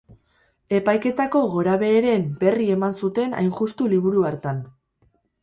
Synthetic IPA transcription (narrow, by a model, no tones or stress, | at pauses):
e̞pajke̞t̪ako̞ɣo̞ɾaβe̞ːɾe̞mbe̞rie̞mansut̪e̞na̰jŋʝust̪uliβ̞uɾuaɾt̪an